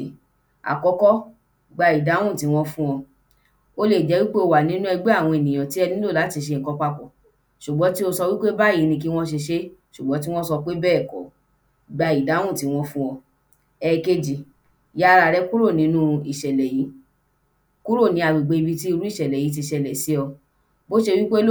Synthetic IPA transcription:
a̰˨kɔ˨˧˦kɔ˦ | ɡ͡ba˧i˨da˨˦w̃ũ˦˨ti˨˦w̃ɔ̃˧fũ˦ɔ̃˧ | o˦le˦˨d͡ʒɛ˨˦wi˦k͡pe˦o˧wa˨nĩ˦nũ˦ɛ˧ɡ͡be˦a˦˨w̃ɔ̃˧e˨nĩ˨j̃ã˨ti˨˦ɛ˧nĩ˦lo˦˨la˨˦ti˧ʃ̬e˧˨kɔ˨˧˦k͡pa˧k͡pɔ˨ | ʃu˨ɡ͡bɔ˨˦ti˦o˧sɔ˧wi˦k͡pe˦ba˦˨i˨˦nĩ˧k̬i˦w̃ɔ̃˦ʃ̬e˧ʃe˦ʃu˨ɡ͡bɔ˨˦ti˦w̃ɔ̃˦sɔ˧k͡pe˦bɛː˦˨kɔ̰˨˦ | ɡ͡ba˧i˨da˨˦w̃ũ˦˨ti˨˦w̃ɔ̃˧fũ˦ɔ̃˧ | ɛ˨ke˧d͡ʒi˨ | ja˦˧ɾa˧ɾɛ˦ku˦ɾo˦˨nĩ˨˦nũ˦i˨ʃɛ˨lɛ˨ji˨˦ | ku˦ɾo˦˨nĩ˧˦a˨ɡ͡bi˨ɡ͡be˨˧bi˧ti˦i˦˧ɾu˦i˦ʃɛ˨lɛ˨ji˨˦t̬i˧ʃɛ˧˨lɛ˨si˨˦ɔ˧ | bo˦ʃe˧wi˦k͡pe˦l

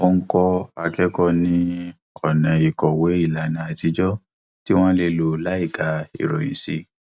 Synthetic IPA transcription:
o˦˧ŋ̩˦kɔ˦a˧kɛ˦kɔ˦nĩ˦ | ɔ˨nɛ̃˨i˨kɔ˨we˨˦i˦˨la˨nã˨a˧˨ti˧d͡ʒɔ˦ | ti˦w̃ɔ̃˦le˧lo˧˦la˨˦i˦˨ɡa˨˦ḭ˦˨ɾɔ˨ĩ˨si˧˦

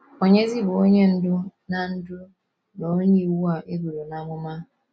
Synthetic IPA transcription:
o˦ɲe˦zi˦bʊ˨o˦ɲe˦n̩˦dʊ˦na˨n̩˦dʊ˦ | no˨˦ni˨wu˦a˨ʔe˦bu˨ɾo˨na˦ŋʷʊ˦ma˦

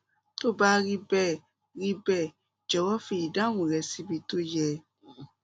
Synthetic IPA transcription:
to˦˨ba˦ɾi˦bɛ˦˨ | ɾi˧bɛ˦˨ | d͡ʒɛ˨wɔ˦fi˧˨i˨dã˦wũ˨ɾɛ˧si˦bi˧to˦jɛ˧

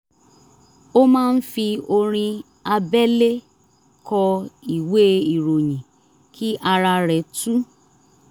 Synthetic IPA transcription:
o˦mãː˦˧n̩˦fi˧o˧ɾ̃ĩ˧ | a˧bɛ˦le˦ | kɔ˧i˨we˦i˨ɾo˨j̃ĩ˨ | kʰi˦ʔa˧ɾa˧ɾɛ˨tu˦

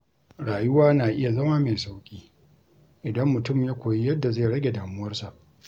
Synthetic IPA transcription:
ɽaː˨jʊ˦waː˦naː˨ʔɪ˦ja˨zɐ˦ma˦me˨sa˦wkʲʼiː˦ | ʔɪ˨dɐ˦mːʊ˨tʊ˦˨mjaː˦kʷoː˨ji˦jɐ˦dːa˨zeː˦˨ɽɐ˦ɡʲe˨daː˨mʊ˦wɐ˦rsa˨ʔ

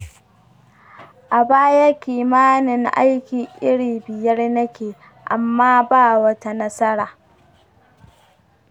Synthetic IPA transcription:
ʔa˨baː˦jɐ˦kʲiː˨maː˦nɪ˨ŋʔa̰˦jkʲi˨ʔɪ˦ɽiː˨bɪ˨jɐ˦rnɐ˦kʲeː˨ | ʔa˨mːaː˦baː˦˨wɐ˦ta˦nɐ˦sɐ˦ɽaː˨

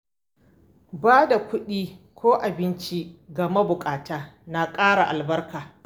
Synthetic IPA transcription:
baː˦da˨kʷʊ˦ɗiː˦kʷʰoː˦ʔa˨bɪ˦nt͡ʃi˦ɡɐ˨ma˦bʊ˨kʼaː˨taː˦na˨kʼaː˦ɽa˨ʔa˨lbɐ˦rkaː˨

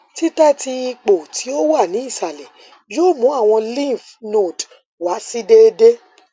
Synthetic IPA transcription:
ti˦tɛ˦ti˧i˧k͡po˨tʰi˨˦o˦wa˦˨nĩ˨˦i˦˨sa˨lɛ˨ | joː˦˨mũ˨˦a˦˨w̃ɔ̃˧lĩ˦˨fno˦˨d | wa˨˦si˦de˦de˦

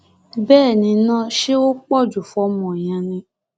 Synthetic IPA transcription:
bɛː˦˨nĩ˧nãː˦ʃe˦o˦k͡pɔ˦˨d͡ʒu˨fɔ˧˦mɔ̃˨j̃ã˧nĩ˧˦

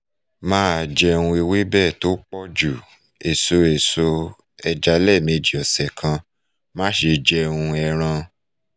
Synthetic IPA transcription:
mãː˦˨d͡ʒɛ˧ũ˧e˧we˦bɛː˦˨to˦k͡pɔ˦d͡ʒu˦˨ | e˨so˧e˨so˧ | ɛ˧d͡ʒa˧lɛ˦˨me˧d͡ʒi˨ɔ˨sɛ˨kʰã˧ | mã˦ʃe˧d͡ʒɛ˧ũ˧ɛ˧ɾ̃ã˧

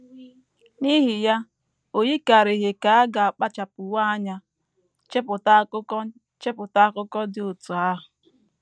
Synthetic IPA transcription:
ni˦ɦi˨ja˦ | o˨ji˦ka˨ɾe˨ɦɪ˨ka˨a˦ɡa˨a˨k͡pa˦t͡ʃa˨pʊ˨wa˦a˦ɲa˦ | t͡ʃe˦pʊ˨ta˦ʊ˦kɔ˦ | t͡ʃe˦pʊ˨ta˦kʊ˦kɔ˦dɪ˦ʊ˨tʊ˨a˦ɦʊ˨

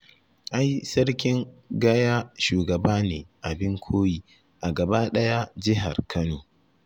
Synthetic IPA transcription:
ʔa˦jsɐ˦rkʲɪ˦ŋɡɐ˦jaː˦ʃuː˨ɡɐ˨baː˦neː˨ʔa˨bɪ˦ŋkʷʰoː˦jiː˦ | ʔa˨ɡɐ˨ba˦ɗɐ˦ja˦d͡ʒɪ˦ɦa̰˨rkʰɐ˦noː˨

